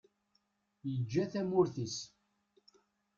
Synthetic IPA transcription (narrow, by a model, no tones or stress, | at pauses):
jəd͡ʒːæθæmʊɾθis